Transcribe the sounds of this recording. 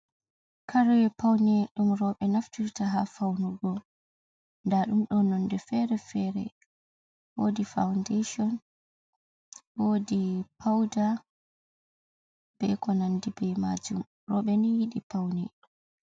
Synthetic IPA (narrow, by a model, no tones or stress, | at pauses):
kʰaɾɔjɛpawnɛɗumɾɔɓɛnaftiɾtaɦafawnuɡɔ | ndaɗumɗɔnːɔndɛfɛɾɛfɛɾɛ̰ | wodifa̰wndeʃɔn | wodipʰawda | b̥ɛkɔnandibɛjma̰d͡ʒum | rɔɓɛnijiɗipawnɛ